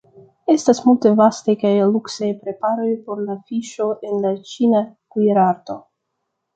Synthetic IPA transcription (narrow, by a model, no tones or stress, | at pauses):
e̞stasmulte̞vastajkajluksajpɾe̞paɾo̞jpo̞ɾlafiʃo̞ʔe̞nlat͡ʃinakujeɾaɾto̞